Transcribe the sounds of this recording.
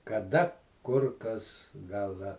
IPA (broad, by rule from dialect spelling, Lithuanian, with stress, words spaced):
kɐˈdɐ ˈkʊr ˈkɐs ˈɡɐlˠ ˈdɐ